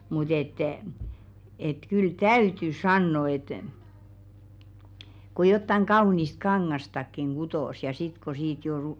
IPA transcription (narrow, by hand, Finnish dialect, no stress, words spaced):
mut et et kyl tæyty sɑnːo et ko jotːɑŋ ɡ̊ɑunist kɑŋːɑstɑkːiŋ ɡ̊utoˑs jɑ sit ko siːt jo